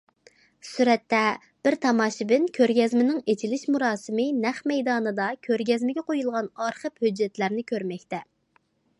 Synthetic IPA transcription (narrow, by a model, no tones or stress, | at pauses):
syɾɛt̪ːɛ | b̥ɪɾt̪ʰɑmɑːʃɪbɪnkʲʰøɾɡʲɛzmɪnɪŋet͡ʃʰilɪʃmuɾɑːsɨmɪnɛχmɛjd̪ɑːnɨd̪ɑkʲʰøɾɡʲɛzmɪɡʲɛqojulˠʁɑnɑɾχəphød͡ʒːɛt̪læɾnɪkʲʰøɾmɛkʲt̪ɛ